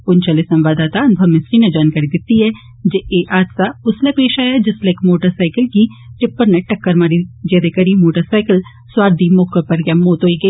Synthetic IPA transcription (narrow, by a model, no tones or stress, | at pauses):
ʊnt͡ʃaːlesɐ̃mʋaːd̪aːt̪aɐnʊbʱɐʋmːɪsɾined͡ʒaːnkaːɾid̪ɪt̪ːiɦɛ | d͡ʒeːʔeːʔaːd̪saʊslepeːʃaːjɛd͡ʒɪslekmoːʈəɾsaːɪkəlkiʈɪpːəɾneʈɐkːəɾmaːɾid͡ʒɛːd̪ekɐɾimoːʈəɾsaːɪkəl | swaːɾd̪imoːkəpɐɾɡamoːt̪ɦoːiɡɐi